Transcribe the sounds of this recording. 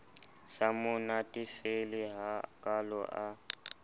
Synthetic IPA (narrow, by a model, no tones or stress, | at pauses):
samʊnatʼifelɪɦakʼalɔ̰ʔa